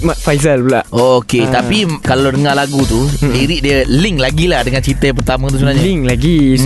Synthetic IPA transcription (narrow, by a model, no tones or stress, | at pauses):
mafajzəlpulaʔoket̪apikalawdəŋalaɡut̪udiɾiʔ̚diəliŋlaɡilahdəŋant͡ʃit̪əjãpərt̪amə̃t̪usubənaɲaiŋlaɡi